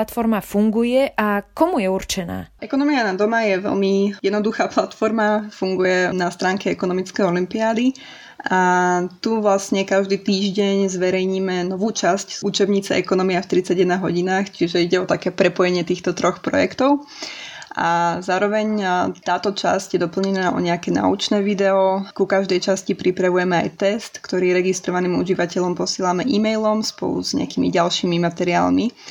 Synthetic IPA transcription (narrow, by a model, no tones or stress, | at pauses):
at̪fɔɾmafuŋɡujɛʔakɔmujɛuɾt͡ʃɛna̰ːɛkɔnɔmianad̪ɔmajɛʋɛ̰lmijɛd̪nɔd̪uxaːplat̪fɔɾmafuŋɡujɛnast̪ɾaːŋkɛɛkɔnɔmit͡skɛjɔlimpiaːd̪i | at̪uʋlasɲɛkaʒd̪iːt̪iːʒɟɛɲzʋɛɾɛjɲiːmɛnɔʋuːt͡ʃascuːt͡ʃɛbɲiːt͡sɛʔɛkɔnɔmiaft̪ɾit͡saɟjɛd̪naɦɔɟinaːxt͡ʃiʒɛiɟɛɔt̪akɛːpɾɛpɔjɛɲɪɛt̪iːxt̪ɔt̪ɾɔxpɾɔ̰jɛkt̪ɔʊ | ʔa̰zaːɾɔʋɛɲt̪aːt̪ɔt͡ʃa̰sɟjɛd̪ɔpl̩ɲɛnaːʔɔ̰ɲɛakɛːna̰ṵt͡ʃnɛːʋid̪ɛɔkukaʒd̪ɛjt͡ʃascipɾipɾaʋujɛmɛa̰jt̪ɛst̪kt̪ɔɾiːjɛɾɛɡist̪ɾɔʋaniːmuʒiʋacɛʎɔmpɔsɪɛːlamɛʔimɛjlɔmspɔ̰lˠṵz̥ɲɛ̰akiːmḭɟalʃiːmimat̪ɛɾia̰ːlmi